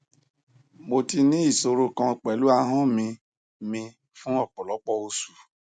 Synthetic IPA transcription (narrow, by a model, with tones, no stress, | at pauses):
mo˨ti˧nĩ˦i˦˨so˧ɾo˦kã˧˨k͡pɛ˨lu˨˦a˧ɦɔ̃˦mĩ˧ | mĩ˧ | fũ˦ɔ˦˨k͡pɔ̃˨lɔ˨˦k͡pɔ˧o˧su˨